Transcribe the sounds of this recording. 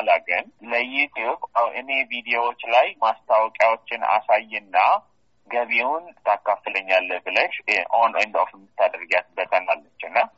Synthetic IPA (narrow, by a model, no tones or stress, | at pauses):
alaɡənləjut̪ʰjubawʔɨne̞vid̪ijowot͡ʃːlajmast̪ʰawkʼjawot͡ʃːɪna̰sajːɛnːa | ɡəβewʊnt̪ʰakːafːɨləɲːalːəbɨləʃonend̪ofmːɨt̪ːad̪ɾɨɡat̪ɨbət̪ʼanalːət͡ʃːɛwnːa